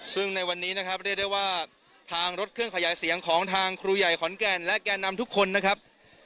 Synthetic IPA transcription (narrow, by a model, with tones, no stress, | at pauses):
sɯ˥˩ŋna˧jwa˧nːiː˦˥na˦˥kʰɾa˦˥p̚ɾaː˥˩jda˥˩jwaː˥˩ | t̪ʰaː˧ŋɾo˦˥t̪̚kʰɯ˥˩əŋkʰa˧jaː˩˦jsi˩˦əŋkʰɔː˩˦ŋt̪ʰaː˧ŋkʰɾuː˧ja˨˩jkʰɔ˩˦nkɛː˧nlɛ˦˥ʔkɛː˧nːa˧mt̪ʰu˥kʰːo˧nːa˦˥kʰɾa˦˥p̚